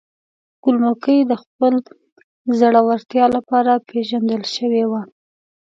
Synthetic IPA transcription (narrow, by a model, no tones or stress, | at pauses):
kulmokəjd̪əxpəl | zaɽawaɾt̪jɑlapɑɾapeʒand̪əlʃəwewa